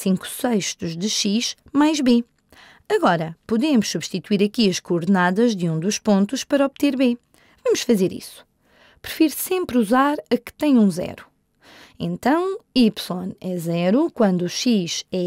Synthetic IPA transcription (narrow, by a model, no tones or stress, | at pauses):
sĩŋku̥sɐjʃt̪uʒðɨʃiʃ | majʒβe | ɐɣɔɾɐpuðemuʃsuβʃt̪it̪uwiɾɐkiɐʃkuːɾðɨnaðɐʒðɨũd̪uʃpõnt̪uʃpɐɾɐɔβt̪eɾβe | vɐmuʃfɐzeɾḭsu̥ | pɾɨfiɾsẽmpɾuzaɾɐkɨ̥t̪ɛ̃ɲũzɛ̰ɾu | ḛ̃nt̪ɐ̃w̃ipsõnɛzɛɾukwɐ̃nd̪uuʃiʃɛ